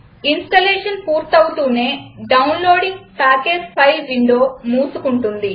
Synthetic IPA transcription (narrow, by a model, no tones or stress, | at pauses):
insʈɐleːʂɐnpuːɾt̪ɐwut̪uːne̞ːɖɐwnlo̞ːɽiŋpaːkeːspʰɐjlʋiɳɖo̞ːmuːsukuɳʈund̪i